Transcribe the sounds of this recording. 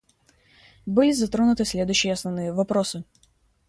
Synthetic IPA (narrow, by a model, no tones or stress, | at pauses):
bɨlʲɪzɐt̪ɾonʊt̪ɨsʲlʲed̪ʊjɕːɪjəɐsnɐvnɨjəvɐpɾosɨ